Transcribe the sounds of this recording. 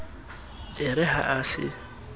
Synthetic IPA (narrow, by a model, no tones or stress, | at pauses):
ɪɾɛɦa̰ʔasɪ̰